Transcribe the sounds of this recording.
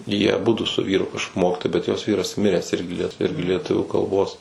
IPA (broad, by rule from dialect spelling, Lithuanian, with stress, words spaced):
ˈjiɛ ɐˈbʊdʊ sʊ ˈʋʲiːrʊ kɐʃ ˈmoːkʲɪtoːjɛɪ bʲɛt joːs ˈʋʲiːrɐs ˈmʲɪrʲæːs ˈɪrʲɡʲɪ ˈlʲiɛt ˈɪrʲɡʲɪ lʲiɛˈtʊʋʲuː kɐlˠˈboːs